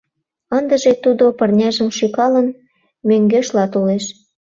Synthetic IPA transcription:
ənd̪ə̆ʒet̪ud̪opə̆rnʲæʒə̆mʃykɑlə̆n | møŋɡeʃlɑt̪uleʃ

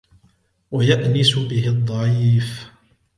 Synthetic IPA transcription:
wajaʔnɪsʊbɪhɪd̪ˤːɑʕiːf

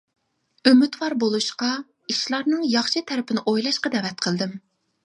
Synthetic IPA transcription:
ømyt̪wɑɾbolˠuʃqɑ | iʃlˠɑɾnɨŋjɑχʃɨt̪ʰɛɾɪpʰɪnɪʔojlˠɑʃqɑd̪ɛvɛt̪̚qʰəlˠd̪ɪm

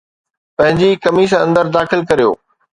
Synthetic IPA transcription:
pɐ̃ɦɪ̃ɲd͡ʑikɐmis̬ɐ̃nd̪əɾd̪aːxɪlkɐɾijo̰ː

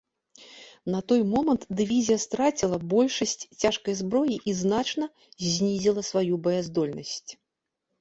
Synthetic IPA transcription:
nɐt̪ɔjmɔmɐnt̪d̪ɨvʲizʲijɐst̪ɾat͡sʲilˠɐbɔlʲʂɐsʲt͡sʲt͡sʲaʂkɐjzbɾɔjiʔiznat͡ʂnɐ | zʲnʲizʲilˠɐsvajubɐjazd̪ɔlʲnɐsʲt͡sʲ

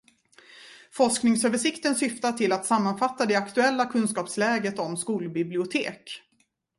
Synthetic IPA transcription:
fɔʂknɪŋsøːvəʂɪkt̪ənsʏft̪aʈʰɪlːat̪samːanfat̪ːad̪ɛakt̪ɵɛlːakʰɵnskɑːpslɛːɡət̪ɔmskuːlbɪblɪʊt̪ʰeːk

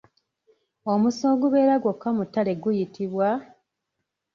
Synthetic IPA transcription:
o̞musoːɡuβe̞ːɾaɡwo̞kːamutːale̞ɡujitʰiβwa

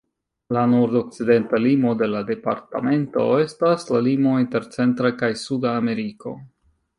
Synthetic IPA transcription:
lanoɾdo̞k̚t͡side̞ntalimo̞de̞lade̞pa̰ɾta̰me̞nto̞̰e̞staslalimo̞inte̞ɾt͡se̞ntɾakajsudaːme̞ɾiko̞̰

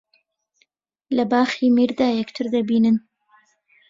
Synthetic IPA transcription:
labɑːximiɾd̪ɑːjɛkt̪ʰɨɾd̪abiːnɨn

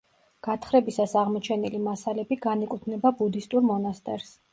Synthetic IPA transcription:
ɡ̥at̪ʰχɾɛbisasaʁmɔt͡ʃʰɛnilimasalɛbiɡanikʼut̪ʰnɛbabud̪ist̪ʼuɾmɔnast̪ʼɛ̰ɾs

